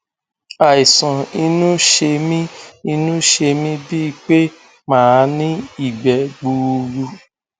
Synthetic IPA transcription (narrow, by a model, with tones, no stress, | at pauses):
a˨i˨sã˨i˧nũ˦ʃe˧mĩ˦i˧nũ˦ʃe˧mĩ˦bi˦˧k͡pe˦ | mãː˦˨˧nĩ˦i˦˨ɡ͡bɛ˨ɡ͡bu˧ɾu˧